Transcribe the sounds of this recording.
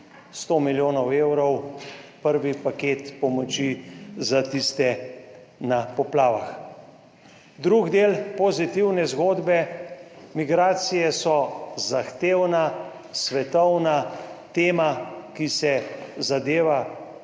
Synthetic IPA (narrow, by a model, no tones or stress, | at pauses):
st̪oːmiljoːnɔweːwɾɔwpəɾʋipaket̪pɔmɔt͡ʃizat̪ist̪ɛ | napɔplaːʋa̰x | d̪ɾuɡd̪eːlpɔzit̪iwnɛzɡoːd̪bɛ | miɡɾaːt̪sijɛsɔzaxt̪eːwna | sʋɛt̪ɔwnat̪eːmakisɛzad̪eːʋa